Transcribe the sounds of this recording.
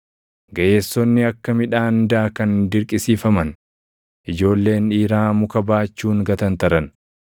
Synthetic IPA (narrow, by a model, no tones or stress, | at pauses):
ɡɐʔeːsːɔnːɪɐkːɐmɪᶑaːnd̪aːkɐnd̪ɪɾkʼɪsiːfɐmɐn | ʔɪd͡ʒo̞ːlːe̞ːniːɾaːmʊkɐbaːt͡ʃːuːŋɡɐt̪ɐnt̪ɐɾɐn